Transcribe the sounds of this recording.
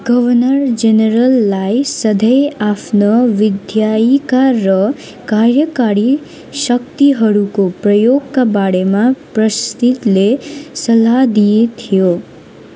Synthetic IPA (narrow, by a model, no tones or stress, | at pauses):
ɡʌβʌnʌrd͡zeneɾʌlːajsʌd̪ʱʌjapʰnʌwid̪ʱjaikaːʌ | karjʌkaɾi | sʌkt̪iɦʌɾukoprʌjoɡkabaɽemaprʌst̪it̪lesʌlːad̪ijet̪ʰijo